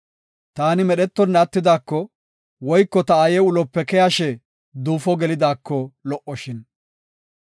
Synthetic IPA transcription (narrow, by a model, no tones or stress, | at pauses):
t̪aːnɪmɛɗɛt̪ːɔnːɐt̪ːɪd̪aːkːɔ | wɔjkːɔt̪ɐaːjɛʊlɔpːɛkɛjaʃɛ | d̪uːfɔɡɛlɪd̪aːkːɔlɔʔːɔʃɪn